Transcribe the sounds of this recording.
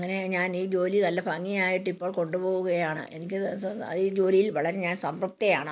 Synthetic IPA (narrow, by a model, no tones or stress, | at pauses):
ŋːɐne̞ɲaːniːd͡ʑo̞ːlinɐlːɐpɐŋːijaːjiʈːipːoːɭko̞ɳɖupoːɣuɣɐjaːɳɨ̰ʔe̞̰nikʲːɨɐ̰ðiːd͡ʑo̞ːlijilʋɐɭɐɾe̞ɲaːnsɐmbrɐp̚t̪ɐjaːɳɨ